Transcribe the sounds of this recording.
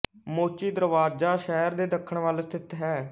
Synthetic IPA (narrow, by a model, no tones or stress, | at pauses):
moːt͡ʃiːd̪əɾʋaːd͡ʒaːʃɛːəɾd̪eːd̪əkʰːəɳʋaːlst̪ʰɪt̪ɦɛː